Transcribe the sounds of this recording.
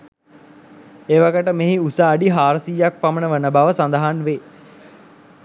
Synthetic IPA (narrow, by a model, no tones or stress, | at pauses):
eːʋaɡəʈəmeɦiusaːɖiɦaːɾsijak̚pamənəʋənəbaʋəsand̪əɦanʋeː